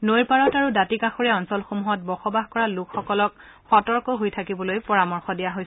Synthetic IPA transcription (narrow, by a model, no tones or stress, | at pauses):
nojɹpaɹɔtaɹudatikaxoɹɛɔnsɔlxomuɦɔt̚bɔxɔbaxkɔɹalukʰxɔkɔlɔk | xɔtɔɹkɔɦojtʰakibɔlojpɔɹamɔɹxɔdijaɦoj